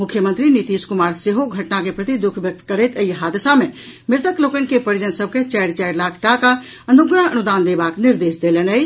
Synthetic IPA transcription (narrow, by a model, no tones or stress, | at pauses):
mʊkʰjəmə̃nt̪ɾinit̪iːskʊmaːɾseɦoɡʱɐʈnakepɾət̪id̪ʊkʰʋjək̚t̪kəɾet̪əjɦaːd̪samẽ | mɪɾt̪əkloːkənkepəɾid͡ʒənsəb̚ket͡ʃɛɪɽt͡ʃɛɪɾlaːkʈaka | ənuɡɾəɦənud̪aːnd̪ebaːknɪɾd̪eːsd̪elənəj